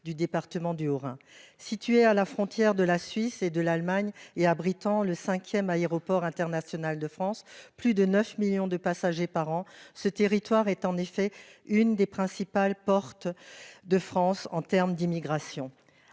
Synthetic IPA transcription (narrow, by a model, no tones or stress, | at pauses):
d̪yd̪epaʁt̪əmɑ̃d̪yɔʁɛ̰̃sit̪ɥealafχɔ̃t̪jɛʁd̪əlasɥised̪əlalmaɲeabʁit̪ɑ̃ləsɛ̃kʲjɛmaeʁɔpɔʁɛ̃t̪ɛʁnasjɔnald̪əfχɑ̃splyd̪ənœfmiljɔ̃d̪əpasaʒepaʁɑ̃sət̪eʁit̪waʁɛt̪ɑ̃nefɛynd̪epχɛ̃sipalpɔʁt̪d̪əfχɑ̃sɑ̃t̪ɛʁmd̪imiɡʁasjɔ̃